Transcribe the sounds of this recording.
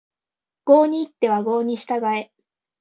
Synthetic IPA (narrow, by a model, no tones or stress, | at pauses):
ɡ̥o̞ːɲ̟iːt̪ːe̞βaɡo̞ːɲ̟iɕi̥t̪aɡae̞